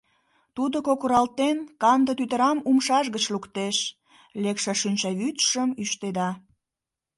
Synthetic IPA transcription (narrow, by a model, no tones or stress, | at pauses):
t̪ud̪okokuɾɑlt̪enkɑnd̪ə̆t̪yt̪əɾɑmumʃɑʒɣət͡ɕlukt̪eʃ | lekʃeʃynʲt͡ɕɑβyt̪ʃəmyʃt̪ed̪ɑ